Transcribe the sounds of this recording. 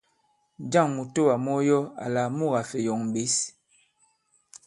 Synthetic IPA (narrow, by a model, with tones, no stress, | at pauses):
d͡ʒa˦˨ŋmu˨to˦wa˨mɔ˦jɔ˦a̰˨la˨mu˦˨ɣa˨fɛ˨jɔ˨ŋm˨be˨˦s